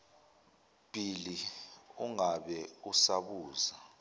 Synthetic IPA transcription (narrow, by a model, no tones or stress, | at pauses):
b̥ʱiliuŋaɓɛusaɓuːza